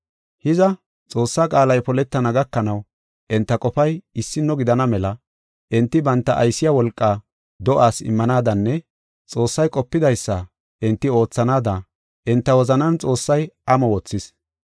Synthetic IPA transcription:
hɪzɐ | t͡sʼo̞ːsːaːkʼaːlɐjpɔlɛt̪ːɐnɐɡɐkːɐnɐw | ʔɪnt̪ːɐkʼɔfɐjɪsːɪnːɔɡɪd̪ɐnɐmɛlɐ | ʔɪnt̪ːɪbɐnt̪ːɐʔɐjsːɪjawɔlkʼːaː | d̪ɔʔaːsɪ̰mːɐnaːd̪ɐnːɛ | t͡sʼo̞ːsːɐjkʼɔpːɪd̪ɐjsːɐ | ʔɪnt̪ːɪo̞ːt͡sːɐnaːd̪ɐ | ʔɪnt̪ːɐwɔzɐnɐnt͡sʼo̞ːsːɐjʔɐmɔwɔt͡sːɪs

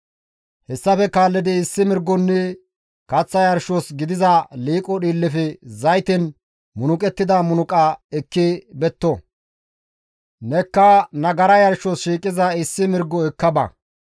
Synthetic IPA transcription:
hɛsːɐfɛkaːlːɪd̪ɪɪsːɪmɪɾɡɔnːɛ | kɐt͡sːɐjɐɾʃosɡɪd̪ɪzɐliːkʼɔɗiːlːɪfɛzɐjt̪ɛn | mʊnʊkʼɛt̪ːɪd̪ɐmʊnʊkʼɐɛkːibɛt̪ːɔ | nɛkːɐnɐɡɐɾɐjɐɾʃosʃiːkʼɪzɐɪsːɪmɪɾɡɔɛkːɐbɐ̰

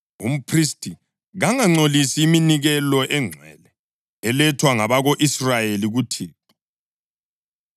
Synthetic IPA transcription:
ṵm̩pʰristʰʼi | ɣaŋaŋ͡ǀolisiːminiɣɛlɔʔɛŋ͡ǀʱwɛ̰lɛ | ɛlɛtʰwaŋaβaɣoʔisrajeliɣutʰiːt̚ʰɔ

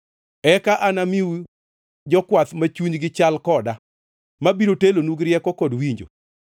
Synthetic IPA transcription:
ɛkaʔanamiw | d͡ʒɔkwat̪mat͡ʃuɲɡɪt͡ʃalkɔda | mabiɾotelonuɡɾjɛkɔkɔdwiɲd͡ʒo̰

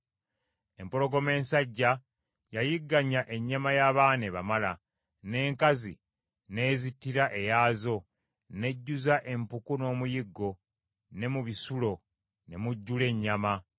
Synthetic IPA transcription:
e̞mpoɾo̞ɡo̞me̞ːnsaɟːa | jajiɡːaɲːaʔe̞ɲːamajaβaːne̞βa̰mala | ne̞ːŋkazḭ | ne̞ːzitːiɾaʔe̞jaːzo̞ | ne̞ɟːuzaʔe̞mpukuno̞ːmujiɡːo̞ | ne̞muβisulo̞ | ne̞muɟːule̞ɲːama

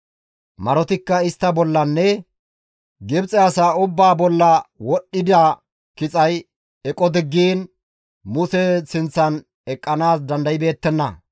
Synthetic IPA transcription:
mɐɾɔt̪ɪkːɐɪst̪ːɐbɔlːɐnːɛ | ɡɪbt͡sʼɛasaːʊbːaːbɔlːɐwɔɗːɪd̪aː | kɪt͡sʼɐj | ɛkʼɔd̪ɪɡːiːn | mʊsɛsɪnt͡sːɐn | ɛkʼːɐnaːsd̪ɐnd̪ɐjɪbe̞ːt̪ːɛnːɐ̰

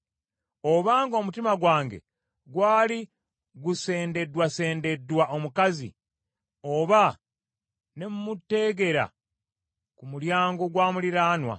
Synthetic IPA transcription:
o̞βaːŋɡo̞ːmutimaɡwaːŋɡe̞̰ | ɡwaːli | ɡuse̞ːnde̞dwase̞ːnde̞dːwaʔo̞mukazḭ | o̞βa | nemumutːe̞ːɡe̞ɾa̰ | kumuljaːŋɡo̞ɡwaːmuliɾaːnwa̰

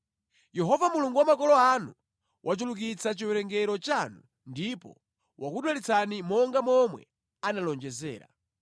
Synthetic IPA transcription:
jɛɦɔvamuluŋɡuwamakɔlɔanu | wʔat͡ʃuluk̬it͡sʰat͡ʃiwɛɾɛŋɡɛɾɔt͡ʃanu | ndipɔ̰ | wʔakuɗwalit͡sanimɔŋɡamɔmwɛ̰ | analɔnd͡ʒɛzɛ̰ːɾa̰

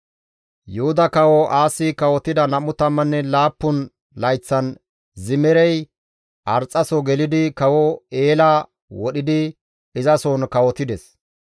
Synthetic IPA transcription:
jʊhʊd̪ɐkɐwɔʔaːsːɪkɐwɔt̪ɪd̪ɐnɐmʊt̪ɐmːɐnːɛlaːpːʊn | lɐjt͡sːɐn | zɪmɛɾɛj | ʔɐɾt͡sʼːɐsɔɡɛlɪd̪ɪkɐwɔeːlaː | wɔɗɪd̪ɪ | ɪzɐsoːnkɐwɔt̪ɪd̪ɛs

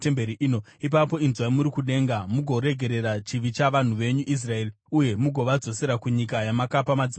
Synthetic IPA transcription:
tembeɾiʔiːnoip̬apo̞inzwaimuɾikuɗe̞ːŋɡamuɡʱo̞ɾe̞ɡʱe̞ɾe̞rat͡ʃiʋit͡ʃaʋan̤uʋe̞ɲuʔis̬rae̞ri | uje̞muɡʱo̞ʋad͡zo̞se̞ɾakuɲikajamakapamad͡zi

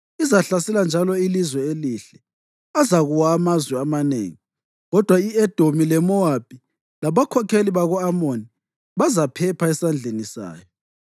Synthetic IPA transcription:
izaɬasɛland͡ʒʱalɔilizwɛeliɬɛ | azaɣuwaːmazwɛamanḛːŋi | ɣɔd̥ʱwaiɛd̥ʱomilɛmɔab̥ʱi | laβakʰɔkʰeliβaɣɔamoni | βazapʰɛpʰaɛsand͡ɮʱenisa̰ːjɔ

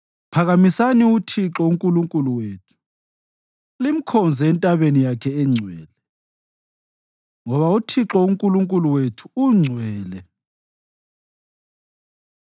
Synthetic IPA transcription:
pʰaɣamisaniutʰiǁɔuŋkʼuluŋkʼuluweːtʰu̥ | lim̩kʰɔnd͡zʱɛɛntʼaβenijakʰɛɛŋ͡ǀʱwɛːlɛ | ŋɔβautʰiǁɔuŋkʼuluŋkʼuluwetʰu̥uŋ͡ǀʱwɛːlɛ

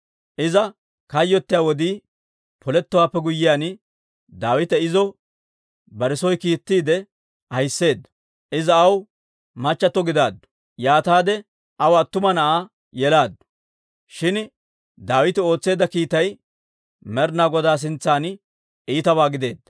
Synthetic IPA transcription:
ʔɪzɐ | kɐjːɔt̪ːɪjaːwɔd̪iː | pʰɔlɛt̪ːɔwaːpːɛɡʊjːɪjaːn | d̪aːwɪt̪ɛɪzɔ | bɐɾɪsɔjkiːt̪ːiːd̪ɛ | ɐjsːe̞ːd̪ːɐ̥ | ʔɪzɐːw | mɐt͡ʃːɐt̪ːɔɡɪd̪aːd̪ːɔ̥ | jaːt̪aːd̪ɛ | ʔɐwɐt̪ːʊmɐnɐʔaː | jɛlaːd̪ːʊ̥ | ʃɪn | d̪aːwɪt̪ɪo̞ːt͡sːe̞ːd̪ːɐkiːt̪ɐj | mɛɾnaːɡɔd̪aːs̬ɪnt͡sːaːn | iːt̪ɐbaːɡɪd̪e̞ːd̪ːɐ

